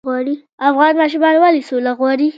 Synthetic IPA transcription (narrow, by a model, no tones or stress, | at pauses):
ɣwɑɾi | afɣɑnmɑʃ̬umɑnwalisolaɣwɑɾi